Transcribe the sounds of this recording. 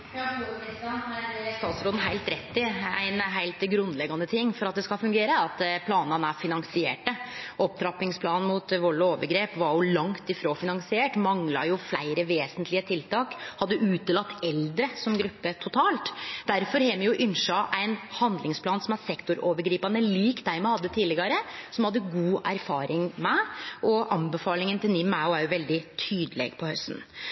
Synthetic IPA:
st̪ɑːt̪sɾoːd̪n̩ɦæɪlt̪ɾɛt̪ːɪæ̰ɪnɦæɪlt̪ɡɾʉnd̪lɛɡːɑnət̪ʰɪŋːfɔɾɑt̪̚d̪ɛskɑlfʉŋɡeːɾəɑt̪pʰlɑːnɑnæɾfɪnɑŋsɪḛːʈəʔɔp̚t̪ʰɾɑpɪŋspʰlɑːn̩mut̪ʋɔɭoːʋəɡɾeːpʋɑɾjʊlɑŋt̪ɪfɾoːfɪnɑŋsɪeːʈmɑŋlɑ̰jʊflæɪɾəʋeːsənt̪lɪət̪ʰɪlt̪ʰɑːkhɑd̪ːəʔʉːt̪əlɑt̪ːɛld̪ɾəsɔmɡɾʉpːət̪ʰʊt̪ʰɑːlt̪d̪æɾfɔɾhɛːmɛjʊʔʏnʂɑʔæɪnhɑnd̪lɪŋspʰlɑːnsɔmæsɛkt̪ʊɾoːʋəɾɡɾiːpɑnəliːkd̪æɪmɛhɑd̪ːət̪ʰiːlɪɡɑɾəsɔmhɑd̪ːəɡuːʔæɾfɑːɾʔɪŋmɛʔɔʔɑmbəfɑːlɪŋənt̪ɪlnɪmːæɔæɾjʊʋɛld̪ɪt̪ʰyːd̪əlɛ̰ːɡpʰɔhœst̪n̩

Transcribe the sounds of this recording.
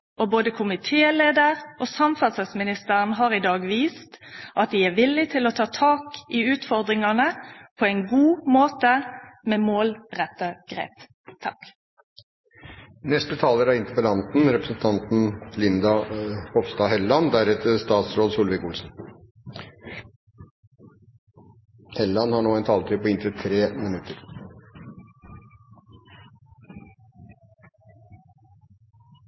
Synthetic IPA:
ʔɔboːd̪əkʰʊmɪt̪ʰeːleːd̪əʁosɑmfɑt̪səsmɪnɪst̪əʁnɦɑʁɪd̪ɑːɡʋiːst̪ʔɑt̪̚d̪ɪæʋɪlɪt̪ʰɪlɔt̪ʰɑːt̪ʰɑːkɪʉːt̪fɔʁd̪ʁɪŋɑnəpʰɔæɪnɡuːmoːt̪əmeːmoːlʁɛt̪ːəɡ̥ɾḛːp | t̪ʰɑk | nɛst̪ət̪ʰɑːləɾɑɪnt̪əɾpəlɑnt̪n̩ɾɛpɾəsn̩t̪ʰɑnt̪n̩lɪnd̪ɑhɔfst̪ɑːhɛlːɑnd̪æɾɛt̪ʰəst̪ɑːt̪sɾoːd̪suːlʋɪkʊlsn̩ | hɛlːɑnhɑɳoːæɪnt̪ʰɑːlət̪ʰyːpɔɪnt̪ɾət̪ʰɾeːmɪnʉt̪ʰːəɾ

